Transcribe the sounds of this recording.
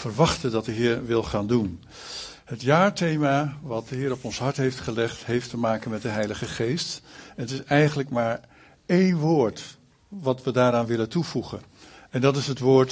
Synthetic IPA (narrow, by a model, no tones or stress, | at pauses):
fəɹʋɑχtədɑt̚dəɦɪːɹʋɪlˠχaːndun | hətjaːɹtejmaːʋɑt̚dəɦɪːɾɔpɔnsɦɑɹtɦejftχəlɛχtɦejftəmaːkənmɛt̚dəɦɛjləχəχejstɛnətɪsɛjχənləkmaːɹ | ejnʋoːɹt | ʋɑtʋədaːɾaːnʋɪləntuvuχə̰n | ɛndɑtɪsɦətʋoːɹt